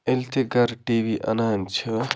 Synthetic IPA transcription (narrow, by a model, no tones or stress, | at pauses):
elt̪eɡɐɾʈiːʋiːʔɐ̰naːnt͡ʃʰɐ